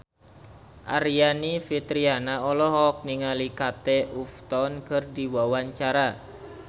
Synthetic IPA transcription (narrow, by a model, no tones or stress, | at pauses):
ʔa̰ɾianifit̪ɾianaɔlɔɦɔk̚niŋalikat̪euft̪ɔnkɨrdiwawaɲt͡ʃaɾa